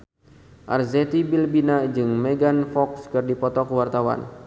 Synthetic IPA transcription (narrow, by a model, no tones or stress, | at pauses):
ʔa̰rzɛt̪ibilbinad͡ʒɨŋmɛɡanfɔkskɨrdipɔt̪ɔkəwart̪awa̰n